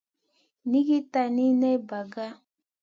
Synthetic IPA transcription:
ni˦ɡi˦ta˨ni˦nɛ˦ba˨ɡa˦

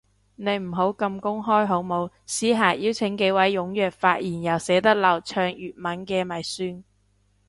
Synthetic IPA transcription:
ne˨˧jm̩˨˩ɦo˨˥wkɐ˧mkʊ˥ŋɦɔː˥jɦo˨˥wmo˨˧w | siː˨˥ɦaː˨˩jiː˥wt͡sʰɪ˨˥ŋke˨˥jwɐ˨˥jːʊ˨˥ŋjœː˨k̚faː˧t̚jiː˨˩njɐ˨˩wsɛː˨˥t̪ɐ˥k̚lɐ˨wt͡ʃʰœː˧ŋjyː˨t̚mɐ˨˥nkɛː˧mɐ˨˩jsyː˥n

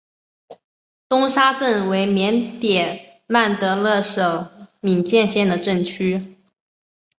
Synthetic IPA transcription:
t̪ʊ˥ŋʂa˥ʈ͡ʂə˥˩nwe˧˥ɪmjɛ˧˥nt̪jɛ˨˩ | ma˥˩nt̪ɤ˧˥lɤ˥˩ʂo˨˩ʊmi˨˩ŋt͡ɕjɛ˥˧nɕjɛ˥˩nd̪ə˩ʈ͡ʂə˥˩ŋt͡ɕʰy˥

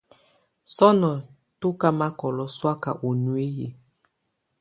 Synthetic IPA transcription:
sɔ˦nɔ˨ | to˦ka˦ma˦kɔ˨lɔ˦swa˦ka̰˨ʔo˨nu˨e˦jḛ˨

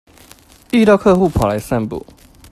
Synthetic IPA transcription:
i˥˧ɾjɑ˥˧ʊkʰɤ˥˧xu˥˨pʰa˨˩la˨˦ɪsa˥˧npṵ˨˦

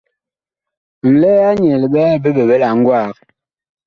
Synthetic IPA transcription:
n̩˨lɛː˦a˦ɲɛ˨lɓɛ˦be˦be˨ɓe˦la˨ŋ̩˦ɡwa˦˨k̚

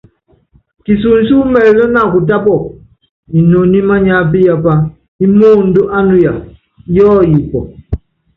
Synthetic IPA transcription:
ki˨s̬u˨n̩˦su˦mɛ˨lɛ˦na˦˨ku˨t̬a˦pɔ˦˨ | i˨no˨ni˦ma˦ɲa˦p̬i˦ja˦pa˦ | i˦mo˦n̩˦do˦ʔa˦nu˦ja˨ | jɔ˦ji˨pɔ˨

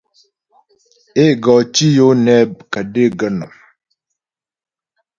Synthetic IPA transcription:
e˦˨ɡɔ˨t͡ʃi˦jo˦nɛ˦˨b̚kə˨de˦ɡə˦nɔ̰˨

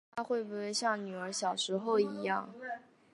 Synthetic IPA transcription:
t̪ʰa˥xwe˥˧ɪbu˥˩e˥˧ɪɕjɑ˥˩ŋny˨˩ə˞˧˥ɕjɑ˨˩ʊʂɻ̩˧˥xo˥˩ʊi˧˥jɑ̰˥˩ŋ

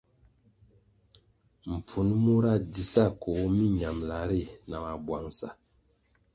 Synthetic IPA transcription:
m̩˨p͡fu˨˦nmu˦ɾa˦˨di˨˦sa˦˨ko˨˦mi˦ɲa˨mla˨ɾi˦˨na˨ma˨bwa˨ŋsa̰˨

